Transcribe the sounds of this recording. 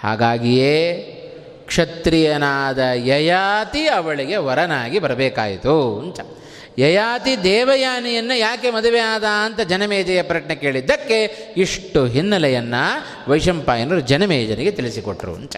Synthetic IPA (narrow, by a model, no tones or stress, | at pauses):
ha̰ːɡaːɡijeː | kʂɐt̪ɾijɐnaːd̪ɐjɐjaːt̪iɐʋɐɭiɡe̞ʋɐɾɐnaːɡibɐɾɐbɛːkaːjit̪uɐnt͡ʃɐ | jɐjaːt̪id̪ɛːʋɐjaːnijɐnːɐjaːkemɐd̪uʋeaːd̪aːɐnt̪ɐd͡ʒɐnɐmɛːd͡ʒɐjɐpɾɐʈnekeːɭid̪ːɐkːe̞iʂʈuɦinːɐlɛjɐnːɐ | ʋɐjʂɐmpaːjɐnɐɾud͡ʒɐnɐmɛːd͡ʒɐniɡet̪iɭisikoʈːɾṵɐ̰nt͡ʃɐ̥